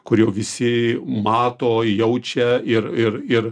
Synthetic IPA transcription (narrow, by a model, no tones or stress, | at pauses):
kʊɾʲjoːʋʲɪsʲɪmɑːt̪oːjɛʊt͡ʃʲɛɪɾɪɾɪɾ